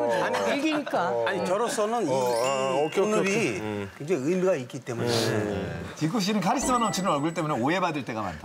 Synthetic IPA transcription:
aɲitɯɭɡiɲik͈aaɲikʌɾʌsʰʌnɯniʌokʰonɯbikɯŋd͡ʑeɯimiɡaik͈it͈e̞mune | t͡ɕikuɕ̬inɯnkʰaɾis͈ɯmanʌmt͡ɕʰinɯɾʌɭɡuɭt͈e̞muneoje̞badɯɭt͈e̞ɡama̰ntʰa

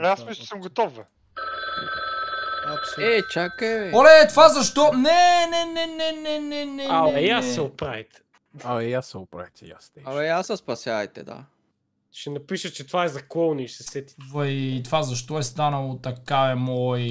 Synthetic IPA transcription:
asmisˠsəmɡot̪ɔfə | ɛt͡ʃakːɛvɛɔlɛt̪vazɐʃt̪ɔnɛnɛnɛnɛnɛnɛnɛaɛjasːɛʊpɾavit̪ɛ̥ | aɛjasːɛʊpɾa̰vit̪ɛjast̪ɛalɛjasɐspɐsjaɐjt̪ɛ̰d̪a̰ | ʃɛnɐpiʃət͡ʃɛt̪ovaɛzɐkɔlˠniʃsɛsɛt̪i̥vɐjt̪ovazɐʃt̪ɔɛst̪anɐlˠot̪ɐkaɛmɔj

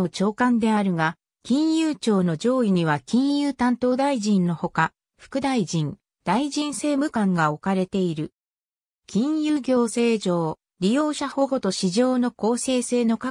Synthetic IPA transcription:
ot͡ɕo̞ːkãnd̪e̞aɾɯ̟ɡa | kʲĩɰ̃jɯːt͡ɕo̞ːno̞d͡ʑo̞ːiɲ̟iβ̞akʲĩɰ̃jɯːt̪ãnt̪o̞ːd̪aiʑĩnːo̞ho̞ka | ɸɯ̥kɯ̟d̪aiʑĩŋ | d̪̥aiʑĩɰ̃se̞ːmɯ̟kãŋɡao̞kaɾe̞t̪e̞iɾɯ̟ | kʲĩɰ̃jɯːɡʲo̞ːse̞ːd͡ʑo̞ː | ɾʲijo̞ːɕaho̞ɡo̞t̪oɕiʑo̞ːno̞ko̞ːse̞ːse̞ːno̞ka

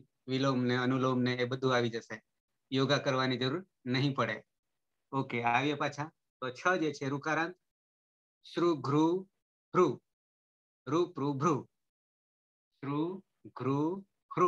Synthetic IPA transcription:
ʋilomneənulomneːbəd̪ʱũaʋid͡ʒəʃe | joɡakəɾʋanid͡ʒəɾuɾ | nəɦĩpəɽe | okeaʋjepat͡ʃʰã | t̪ot͡ʃʰəd͡ʒet͡ʃʰeɾukaɾãnt̪ | sɾuɡʱɾu | bʱɾu | ɾupɾubʱɾu | sɾu | ɡʱɾu | bɾu

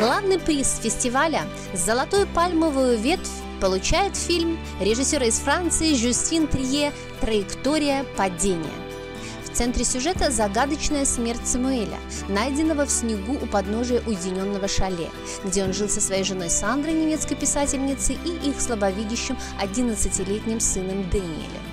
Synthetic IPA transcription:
ɡ̥lˠavnɨjpɾʲisfʲɪsʲtʲɪvalʲə | zəlˠɐt̪ojʊpalʲməvʊjʊvʲe̞t̪fʲ | pəlˠʊt͡ɕæjɪt̪fʲilʲm | ɾʲɪʐɨsʲoɾəɪsfɾant̪sɨɪʐʊsʲtʲint̪ɾʲje | t̪ɾəɪkt̪o̞ɾʲɪjəpɐdʲenʲɪ̰jə̰ | ft̪sɛnt̪ɾʲɪsʲʊʐɛt̪əzɐɡad̪ət͡ɕnəjəsmʲert̚ʲsəmʊelʲə̰ | najdʲɪnːəvəfsʲnʲɪɡuʔʊpɐd̪no̞ʐɨjəʔʊjɪdʲɪnʲo̞nːəvəʂɐlʲḛ | ɡdʲeo̞nʐɨlˠsəsvɐjejʐɨno̞jsand̪ɾəjnʲɪmʲe̞t̪skəjpʲɪsatʲɪlʲnʲɪt̪sɨʔiʔixslˠəbɐvʲidʲɪɕːɪm | ɐdʲinət̪sɨtʲɪlʲetʲnʲɪmsʲɨnəmd̪ɛnʲɪ̰ɪ̰lʲɪ̰

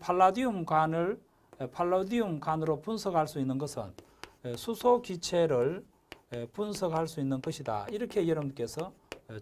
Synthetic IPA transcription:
pʰaɭːadiumɡanɯɭ | pʰaɭːadiumkanɯɾopunsʰʌɡhaɭs͈uinːɯnɡʌsʰɯ̰n | sʰusʰokit͡ɕʰe̞ɾɯɭ | punsʰʌɡɦaɭs͈uinːɯnɡʌɕʰida̰iɾʌkʰe̞jʌɾʌbnk͈e̞sʰʌ

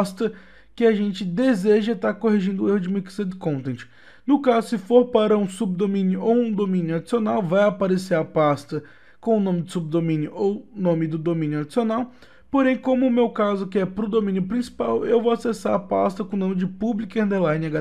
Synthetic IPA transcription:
st̪ɐ | kɪaʒẽnt͡ʃɪd̪ezeʒɐt̪aɾkoɦiʒĩnd̪ʊehʊd͡ʒɪmiksed̪kõt̪ẽt͡ʃɪ̥ | nʊkazʊsɪfoɾpaɾɐũsub̚d̪omĩnjʊʔowũd̪omĩnjʊad͡ʒisionawvajapaɾeseɾɐpast̪ɐ | kõʊnõmɪd͡ʒ̪ʊsub̚d̪omĩnjʊʔownõmɪd̪ʊd̪omĩnjʊad͡ʒisionaw | poɾẽj̃kõmʊːmewkazʊkɪɛpɾʊd̪omĩnjʊpɾĩsi̥pawewvowasesaɾɐpa̰st̪ɐkõnõmɪd͡ʒɪpublikẽnd̪eɾlajnɪaɡa

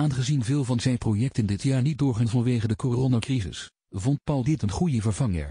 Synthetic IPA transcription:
aːnχəzinvɪːlˠvɑnzɛjnprojɛk̚tɪndɪtjaːɹnit̚dʊːɹχantvɑnʋejχəndəkoronakrizɪ̰s | vɔnt̚pɑlˠdɪtənχujəvəɹvɑŋə̰ɹ

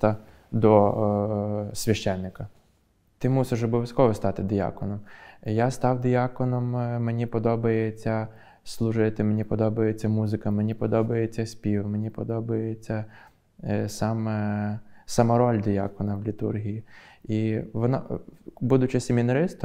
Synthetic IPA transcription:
t̪ɐ | d̪ɔ | sʲʋʲɐʃt͡ʃɛnːɪkɐ | t̪ɪmusɪʃɔbɔʋʲjʲɐsʲkɔʋɔst̪ɑt̪ɪd̪ʲɪjɑ̰kɔnɔmjast̪ɑwd̪ʲɪjɑkɔnɔmmenʲipɔd̪ɔbɐjet͡sʲːɐ | slˠʊʒɪt̪ɪmenʲipɔd̪ɔbɐjet͡sʲːɐmuzɪkɐmenʲipɔd̪ɔbɐjet͡sʲːɐsʲpʲiwmenʲipɔd̪ɔbɐjet͡sʲːɐ | sɑmɛ | sɑmɐɾɔlʲd̪ʲɪjɑ̰kɔnɐwlʲit̪ṵrɦʲijiiʋɔnɑ̰bud̪ʊt͡ʃɪsʲemʲinɐɾɪst̪

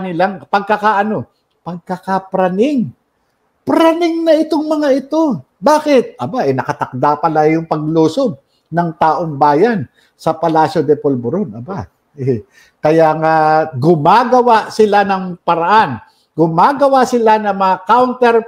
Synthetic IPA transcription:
nɪlaŋpɐɡ̚kɐkaʔɐno̞ | pɐɡ̚kɐkapɾɐnɪŋ | pɾanɪŋnɐɪt̪oŋmɐŋaʔɪt̪o̞ | baːkɪt̪̚ʔɐbaʔɛnɐkɐt̪ɐk̚d̪apɐlajʊŋpɐɡ̚luːsob̚ | nɐŋt̪aːʔo̞ŋbaːjan | sɐpɐlaːsod̪ɛpolboɾonɐba | ʔɛ | kɐjaŋaɡʊmaɡɐwasɪlanɐŋpɐɾɐʔan | ɡʊmaːɡɐwasɪlanɐŋmɐakawnt̪ɛɾ

